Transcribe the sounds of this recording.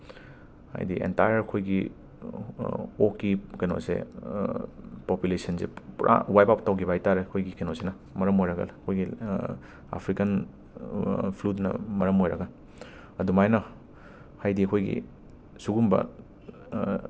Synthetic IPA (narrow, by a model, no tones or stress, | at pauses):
ha̰jdiʔḛntajɐɾkʰojɡi | okːikɐno̰sḛ | pɔpjulesɐnsḛpɾʔa̰wajpap̚tawkibajtaɾeɐkʰojɡikɐnosenɐ | mɐɾɐmojɾɐɡɐ̰lɐkʰojɡi | a̰pʰɾikɐn | pʰlutnɐ̰mɐɾɐmojɾɐ̰ɡɐ | ɐdumajnɐ | hajdiɐkʰojɡḭ | suɡumbɐ̰